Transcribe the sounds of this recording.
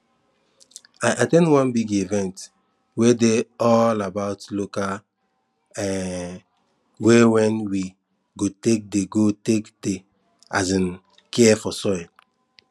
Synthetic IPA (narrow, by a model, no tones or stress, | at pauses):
ajʔatɛ̃ndwãnbiɡivɛ̃nt | wedeɔlabaʊtloka | ɛ | wewɛ̃nwi | ɡotek̚deɡotekde | a̰zĩn | kɛfɔsɔj